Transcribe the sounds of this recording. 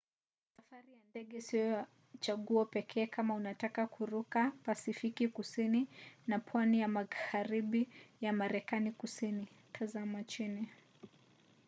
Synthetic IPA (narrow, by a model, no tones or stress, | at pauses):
safaɾijandɛɠɛsijɔ | t͡ʃaɠuɔpɛkʰɛːkamaunatakakuɾukapasifikikusininapʰwanijamahaɾiɓijamaɾɛkanikusini | tʰazamat͡ʃini